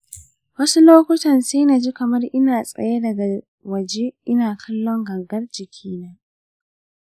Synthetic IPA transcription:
wɐ˦su˦loː˦kʷʊ˦tɐ˨nsiː˦na˨d͡ʒi˦kɐ˨mɐ˦rʔɪ˦naː˨sʼɐ̰˨je˦dɐ˨ɡa˨ | wɐ˨d͡ʒe˦ʔɪ˦naː˨kʰɐ˦lːɔ˦ŋɡɐ˨ɡɐ˦rd͡ʒɪ˨kʲʰiː˦na˦

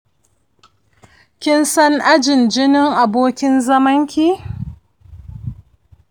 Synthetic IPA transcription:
kʲɪ˦nsɐ˦ŋʔa˦d͡ʒɪ˨nd͡ʒɪ˦nɪ˦ŋʔa˨boː˦kʲɪ˦nzɐ˦mɐ˦ŋkʲi˦

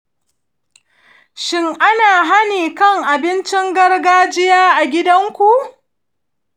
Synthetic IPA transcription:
ʃɪ˦ŋʔa˦naː˨ɦa˦niː˨kɐ˦˨ŋʔa˨bɪ˦nt͡ʃɪ˦ŋɡɐ˦rɡaː˦d͡ʒɪ˦jaː˦ʔa˨ɡʲɪ˦dɐ˦ŋkʷu˨ʔ

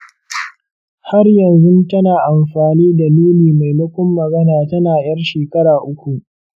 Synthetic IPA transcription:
ha˦rjɐ˨nzʊ˦ntɐ˦naː˨ʔa˨mɸaː˨niː˦da˨nuː˦liː˨ma˨jmʊ˦kʷʊ˦mːɐ˨ɡɐ˦naː˨tɐ˦naː˨j̰ɐ˦rʃeː˨kɐ˦ɽaː˨ʔʊ˦kʷu˨ʔ

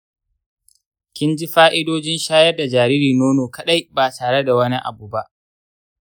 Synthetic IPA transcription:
kʲɪ˦nd͡ʒi˦ɸaː˦ʔɪ˦doː˦d͡ʒɪ˦nʃaː˦jɐ˦rda˨d͡ʒaː˨ɾiː˦ɾiː˨noː˦noː˨kɐ˦ɗa˦jbaː˨tʰaː˨ɽe˦da˨wɐ˦ni˦ʔa̰˨buː˨ba˦ʔ

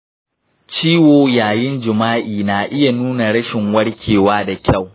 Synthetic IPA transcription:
t͡ʃiː˦woː˨jaː˨jɪ˦nd͡ʒɪ˨maː˦ʔiː˨naː˨ʔɪ˦ja˨nuː˦na˨ɽɐ˦ʃɪ˨ŋwɐ˦ɽkʲʰeː˨waː˦da˨kʲa˦˨w

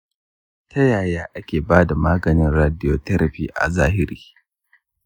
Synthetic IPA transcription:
tʰɐ˦jaː˨jaː˦ʔa˦kʲeː˨baː˦da˨maː˦ɡɐ˨nɪ˦nɾaː˦dɪ˦joː˨tɐ˦ɾʔɐ˨ɸiː˦ʔa̰˨zaː˦ɦɪ˦ɾiː˦

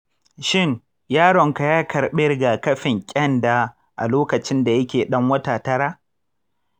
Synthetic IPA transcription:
ʃɪ˦˨ŋ | jaː˦ɽɔ˨ŋka˨jaː˦kɐ˨ɾɓɪ˦rɡaː˨kɐ˦ɸɪ˨ŋkʲʼɐ˦ndaː˨ | ʔa̰˨loː˦kɐ˨t͡ʃɪ˦nda˨jɐ˦kʲeː˨ɗɐ˦ŋwɐ˦taː˨tɐ˦ɽaː˦

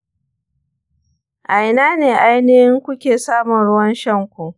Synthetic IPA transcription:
ʔa˨jnaː˦neː˨ʔa˦jneː˦hɪ˦ŋkʷʊ˦kʲeː˨saː˦mʊ˨nɽʊ˦wɐ˦nʃɐ˦ŋkʷu˨ʔ

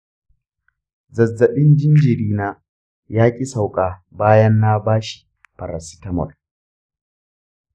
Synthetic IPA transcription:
zɐ˨zːɐ˨ɓɪ˦nd͡ʒɪ˦nd͡ʒɪ˨ɾiː˦naː˦ | jaː˦kʲʼi˦sa˨wkʼaː˨baː˦jɐ˦nːa˦baː˦ʃi̥˨ | pɐ˨ɾa˨si̥˦tɐ˦mɔ̰˨r

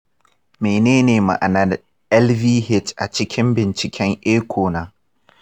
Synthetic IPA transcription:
meː˨neː˦neː˨ma̰˨ʔa̰˨na˦d | ʔɛ˦lviː˦hɪ˦tʔa̰˨t͡ʃɪ˦kʲɪ˦mbɪ˨nt͡ʃɪ˨kʲʰɛ˦ŋʔeː˦kʷʰoː˨naː˦

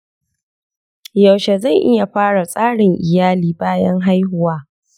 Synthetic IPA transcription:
ja˨wʃe˨za˦˨ŋʔɪ˦ja˨ɸaː˦ɽa˨sʼaː˦ɽɪ˨ŋʔɪ˨jaː˦liː˨baː˦jɐ˦ŋɦa˦jɦʊ˨waː˦

